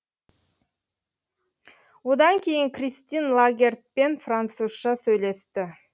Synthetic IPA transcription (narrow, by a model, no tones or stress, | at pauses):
wod̪ɑŋkʲʰe̞jɪŋkrʲist̪inlˠaɡʲe̞rt̪̚pe̞nfrant̪susʃɑsɵjle̞st̪ɪ